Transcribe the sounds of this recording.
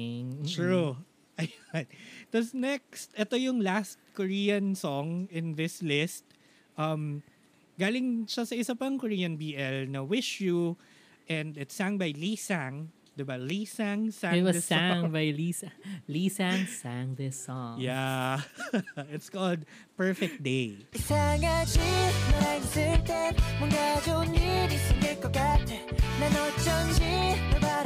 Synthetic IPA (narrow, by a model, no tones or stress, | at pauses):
tɹu | ʔɐjnt̪osnɛk̚st̪ʔɛt̪ojʊŋlast̪̚kɔɹiːjɐ̃nsɔŋɪ̃nðɪslɪst̪̚ | ʔɐm | ɡaːlɪŋʃɐsɐʔɪsapɐŋkɔɹiːjɐnbiːʔɛlnɐwɪʃju | ʔɛ̃nd̪ɪt̪saŋbɐjlisãŋ | d̪ɪbɐlisaŋsãɪt̪̚wʌsaŋbajlisalisaŋsaŋðəsɔ̃ŋja | ɪt̪skɔld̪̚ | pɛɹfɛk̚t̪̚d̪ejisaŋad͡ʒinɔɾaksɪt̪ɛmʊŋɡad͡ʒonid̪isɪŋekokat̪ɛnanɔt͡ʃɔnd͡ʒinoba